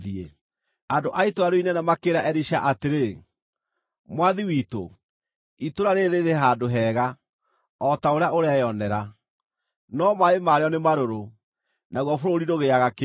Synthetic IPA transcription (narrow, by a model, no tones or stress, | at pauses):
ie | adoʔaitoaɾoinɛnamakeɾaʔɛɾiʃa̰ʔateɾe | mwaðiwito̰ | itoɾaɾeɾeɾeɦadoɦɛːɣa | ɔtaoɾeaoɾeajɔnɛɾa | nɔmaemaɾeɔnemaɾoɾo | naɣwɔfoɾoɾiɾoɣeaɣake